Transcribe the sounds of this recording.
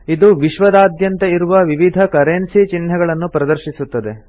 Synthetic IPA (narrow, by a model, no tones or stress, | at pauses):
id̪uʋiʃʋɐd̪aːd̪jɐnt̪ɐiɾuʋɐʋiʋid̪ʱɐkɐɾeːnsit͡ʃinɦɐɡɐɭɐnːupɾɐd̪ɐɾʃisut̪ːɐd̪e̞